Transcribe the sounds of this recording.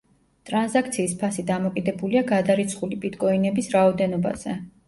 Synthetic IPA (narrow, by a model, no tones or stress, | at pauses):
t̪ʼɾanzakʰt̪sʰiːspʰasid̪amɔkʼid̪ɛbuliaɡad̪aɾit̪sʰχulibʼit̪ʼkʼɔinɛbisɾaɔd̪ɛnɔba̰z̥ɛ